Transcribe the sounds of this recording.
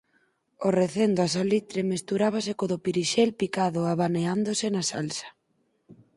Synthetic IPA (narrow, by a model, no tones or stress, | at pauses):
oreθend̪oasalit̪ɾemest̪uɾaβ̞asekoðopiɾiʃɛlpikaðoaβaneand̪osɪnasa̰lsḁ